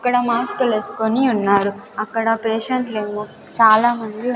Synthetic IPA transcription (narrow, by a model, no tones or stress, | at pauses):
ɐkːɐɽɐmaːskuleːskoniunːaːɾuɐkːɐɽɐpeːʃɐɳʈle̞ːmoː | t͡ʃaːlaːmɐnd̪i